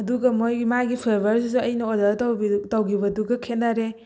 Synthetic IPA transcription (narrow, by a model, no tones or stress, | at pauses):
ɐduɡɐmojɡimajɡipʰeɾbɐɾsisuɐjnɐodɐɾtɐwɡibɐduɡɐkʰenaɾe